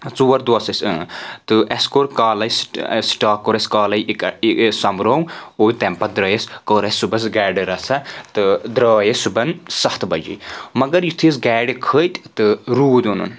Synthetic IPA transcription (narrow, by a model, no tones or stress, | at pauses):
t͡suːɐɾd̪osɐsɨt̪ɨʔɐskoɾkaːlɐjssʈaːkːoɾɐskaːlɐj | sɐmɾowoːit̪empɐd̪ɾɐːjeskəːɾɐsubɐsɡɛːɖɨɾɐsat̪ɨd̪ɾaːjesubɐnsɐht̪ʰbɐd͡ʒḭmɐɡɐɾjit̪ʰis̬ɡɛːɖikʰəːjt̪ʲt̪ɨɾuːd̪onṵn